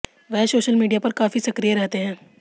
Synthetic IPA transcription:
ʋɛɦsoːʃəlmiːɖijapɐɾkaːfisɐkɾijeɾɛɦt̪eɦɛ̃ː

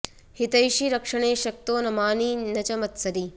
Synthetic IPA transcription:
hit̪ɐjʃiɾɐkʂɐɳ̃eːʃɐk̚t̪oːnɐmaːninɐt͡ʃɐmɐt̪sɐɾi

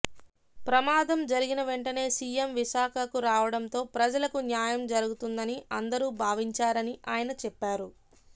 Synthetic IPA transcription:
pɾɐmaːd̪ɐmd͡ʒɐɾiɡinɐʋe̞ɳʈɐne̞ːsiːemʋiʃaːkʰɐkuɾaːʋɐɽɐnt̪o̞ːpɾɐd͡ʒɐlɐkunjaːjɐmd͡ʒɐɾuɡut̪und̪ɐniɐnd̪ɐɾuːbʱaːʋiɲt͡ʃaːɾɐniʔaːjɐnɐt͡ʃɛpːaːɾu

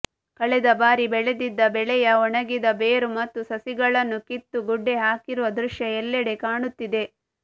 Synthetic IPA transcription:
kɐɭɛd̪ɐbaːɾibɛɭed̪id̪ːɐbɛɭɛjɐɔɳɐɡid̪ɐbeːɾumɐt̪ːusɐsiɡɐɭɐnːukit̪ːuɡuɖːeɦaːkiɾuʋɐd̪ɾuʃjɐɛlːɛɽe̞kaːɳut̪ːid̪e̞

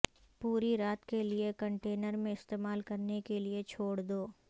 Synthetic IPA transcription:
puːɾiɾaːt̪keliekɐ̃ɳʈeːnəɾmẽɪst̪eːmaːlkɐɾnekeliet͡ʃʰoːɽd̪oː

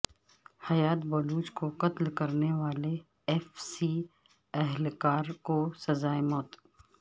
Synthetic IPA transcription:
hɐjaːt̪bɐluːt͡ʃkoqɐt̪lkɐɾneʋaːle | ɛfsiː | ɐɦlkaːɾkosɐzaːemɔːt̪

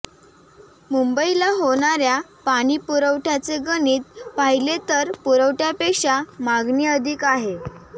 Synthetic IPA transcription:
mumbəilaɦoɳ̃aɾjapaɽ̃iːpuɾəʋʈʰat͡seɡəniːt̪̚paɦilet̪əɾpuɾəʋʈjapekʂamaɡniːəd̪ʱiːkaɦe

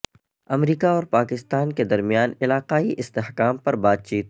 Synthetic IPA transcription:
ɐmɾiːkaɔːɾpaːkɪst̪aːnked̪ɐɾmijaːnɪlaːqaːiʔɪst̪eɦkaːmpɐɾbaːd̪̚t͡ʃiːt̪

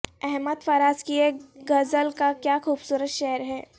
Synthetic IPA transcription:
ɛɦmət̪faːɾaːskieɡɐzəlkakjaːxuːbsuːɾət̪ʃɛɦəɾɦɛː

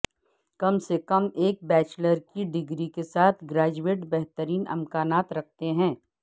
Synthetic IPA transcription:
kɐmsekɐmeːk̚bɛːt͡ʃləɾkiɖɪɡɾikesaːt̪ʰɡɾaːd͡ʒueːʈbɛɦt̪əɾiːnɪ̰mkaːnaːt̪ɾɐk̚ʰt̪eɦɛ̃ː

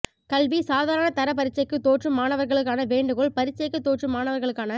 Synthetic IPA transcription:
kɐlʋisaːðaːɾɐnɐt̪ɐɾɐp̬ɐɾɪt͡ʃːɐɪkːɯt̪ːoːʈrɯmaːnɐʋɐɾɣɐɭɯk̬ːaːnɐʋeːɳɖɯɣɔɭpɐɾɪt͡ʃːɐɪkːɯt̪ːoːʈrɯmaːnɐʋɐɾɣɐɭɯkːaːnɐ

